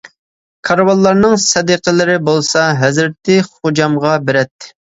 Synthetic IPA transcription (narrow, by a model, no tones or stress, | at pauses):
kʰɑɾwɑlˠːɑɾnɨŋsɛd̪əqʰəlɪɾɪbolˠsɑɦɛzɾɪt̪ɪχod͡ʒɑmʁɑbeɾɛt̪ːɪ̥